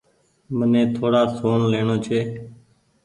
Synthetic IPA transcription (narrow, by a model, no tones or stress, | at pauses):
mənẽːt̪ʰoːɽaːsoːnleːɳoːt͡ʃʰeː